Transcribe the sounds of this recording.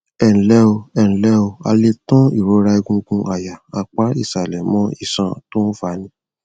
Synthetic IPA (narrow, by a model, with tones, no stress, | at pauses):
ɛ˨ñ̩˨lɛ˦o˧ɛ̃˨lɛ˦o˧a̰˧le˧tɔ̃˦i˦˨ɾo˨˦ɾa˧i˧ɡũ˧˦ɡũ˧ʔa˨ja˨a˧k͡pa˦i˦˨sa˨lɛ˨mɔ̃˦i˦˨sã˨to˦n̩˦fa˨˦nĩ˧˦